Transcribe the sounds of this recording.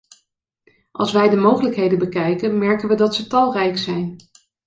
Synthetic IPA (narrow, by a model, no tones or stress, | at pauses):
ʔɑ̰lˠsʋɛjdəmowχələkɦejdənbəkɛjkənmɛɹkənʋədɑtsətɑlˠrɛjksɛjn